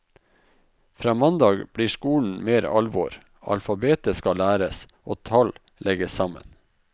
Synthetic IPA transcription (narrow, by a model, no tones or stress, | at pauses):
fɾɑːmɑnd̪ɑːɡb̥ɽiːʂkuːɳ̩meːɾɑ̰lʋɔ̰ɾ | ɑ̰lfɑbeːt̪əskɑlæːɾəs | ʔoːt̪ʰɑl | lʔɛɡəsɑmə̰n